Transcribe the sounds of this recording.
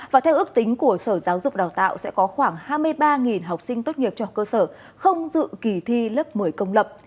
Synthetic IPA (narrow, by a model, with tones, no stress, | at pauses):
vaː˨˩t̪ʰɛ˧wʔɨ˦˥ək̚t̪ï˨˦ŋ̟ku˧˩əsəː˧˩zaː˨˦wzʊ˨˩k͡p̚ɗaː˨˩wt̪a̰ː˧˨wsɛ̰˧˥kɔ˨˦xwaː˧˩ŋhaː˧jmɨ˧əjɓaː˧ŋi˨˩nɦa˨˩wk͡p̚sï˧ŋ̟t̪o˦˥t̚ɲi˨˩əp̚t͡ɕɔ˧˨˩kəː˧səː˧˩ | xə˧wŋ͡mzɨ̰˧˨ki˧˩t̪ʰi˧lə˦˥p̚mɨ˨˩əjkə˧wŋ͡mlə˨˩p̚